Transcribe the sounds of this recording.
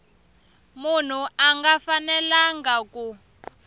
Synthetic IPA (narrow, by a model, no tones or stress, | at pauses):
mun̤uaŋɡafanɛlaŋɡaku